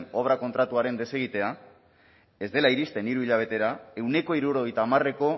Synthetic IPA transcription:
no̞β̞ɾako̞nt̪ɾat̪uaɾe̞nd̪e̞se̞ɣ̞it̪e̞a | e̞zd̪e̞laiɾist̪e̞niɾuiʎaβ̞e̞t̪e̞ɾae̞wne̞ko̞iɾuɾo̞ɣ̞ejt̪aːmare̞ko̞

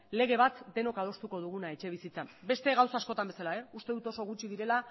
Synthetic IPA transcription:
le̞ɣ̞e̞β̞at̪d̪e̞no̞kað̞o̞st̪uko̞ð̞uɣ̞unae̞t͡ʃe̞β̞isit͡sabe̞st̪e̞ɣawsaːsko̞t̪ambe̞salae̞ust̪e̞ðut̪o̞so̞ɣut͡ʃiðiɾe̞la

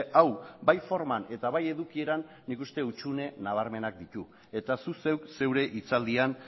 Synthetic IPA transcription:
awbajfo̞ɾmane̞t̪aβaje̞ðukie̞ɾanːikust̪e̞ut͡ʃune̞naβ̞aɾme̞nak̚d̪it̪u | e̞t̪asuse̞wkse̞wɾe̞ʔit͡sald̪ian

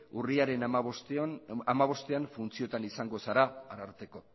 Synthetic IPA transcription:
uriaɾe̞nst̪amaβ̞o̞st̪e̞aɱfunt͡sio̞t̪anisaŋɡo̞saɾaaɾaɾt̪e̞ko̞

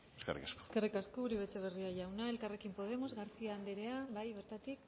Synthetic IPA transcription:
eskḛrḭkasko̥skerikaskoːɾiβet͡seβ̞e̞riaʝawnae̞lkare̞kimpo̞ð̞e̞mo̞zɣaɾsiaːnd̪eɾe̞aβajβe̞ɾt̪at̪ik

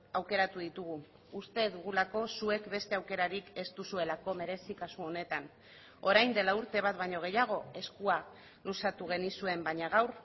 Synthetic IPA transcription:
awke̞ɾat̪uðit̪uɣuː | st̪e̞ðuɣ̞ulako̞sue̞kbe̞st̪e̞awke̞ɾaɾike̞st̪usue̞lako̞me̞ɾe̞sikasuo̞ne̞t̪an | o̞ɾajnd̪e̞lauɾt̪e̞β̞at̪βajɲo̞ɣ̞e̞jaɣ̞o̞e̞skua | lusat̪uɣ̞e̞nisue̞mbaɲaɣ̞awɾ

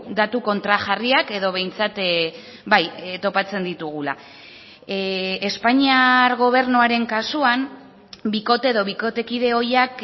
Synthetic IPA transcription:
d̪at̪uko̞nt̪ɾaʝariake̞ðo̞β̞e̞jnt͡sat̪ | bajt̪o̞pat͡se̞nd̪it̪uɣ̞ula̰ | e̞spaɲiaɾɣo̞β̞e̞ɾnuaɾe̞ŋkasuam | biko̞t̪e̞ːðo̞βiko̞t̪e̞kiðe̞o̞jak

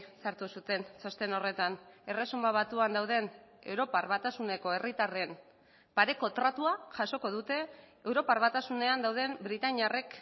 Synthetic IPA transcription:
saɾt̪usut̪e̞nt͡so̞st̪e̞no̞re̞t̪ane̞re̞sumbaβ̞at̪uand̪awð̞e̞ne̞wɾo̞parβat̪asune̞ko̞e̞rit̪are̞m | paɾe̞ko̞t̪ɾat̪uaʝaso̞ko̞ðut̪e̞ːwɾo̞parβat̪asune̞and̪awð̞e̞mbɾit̪aɲare̞k

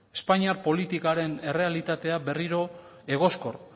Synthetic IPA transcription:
e̞spaɲiapo̞lit̪ikaɾe̞ne̞re̞alit̪at̪e̞abe̞riɾo̞ | e̞ɣ̞o̞sko̞r

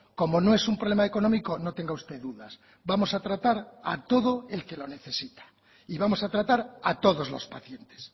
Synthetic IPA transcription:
ko̞mo̞noe̞sumpɾolemaeko̞nomiko̞no̞t̪e̞ŋɡaust̪e̞ðuðas | bamo̞sat̪ɾat̪aɾat̪o̞ðoe̞lke̞lo̞ne̞θe̞sit̪ḁ | iβamo̞sat̪ɾat̪aɾat̪o̞ðo̞zlo̞̰spaθje̞nt̪e̥s

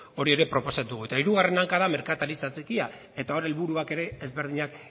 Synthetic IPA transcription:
o̞ɾie̞ɾe̞pɾo̞po̞sauɣuet̪aiɾuɣare̞naŋkaðame̞ɾkat̪aɾit͡sat͡sekia | e̞t̪ao̞ɾe̞lβuɾuake̞ɾe̞ːzβe̞ɾð̞iɲak

